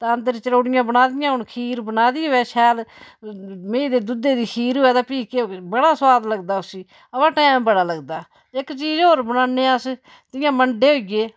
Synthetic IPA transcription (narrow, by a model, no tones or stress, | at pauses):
t̪ãːənd̪əɾt͡ʃəɽoːɽɪjãːbənaːd̪ɪjãːɦʊnkʰiːɾbənaːd̪iːɦoːɛːʃʰɛːl | mẽːid̪eːd̪ʊd̪ːeːd̪iːkʰiːɾɦʊːɛːt̪ãːpiːkeːbəɽaːsʊwaːd̪ləɡd̪aːʊsĩː | əpãːʈɛːmbəɽaːləɡd̪aː | ɪkt͡ʃiːd͡ʒoːɾbənaːneːas | t̪ɪjãːməɳɖeːɦoːiɡeː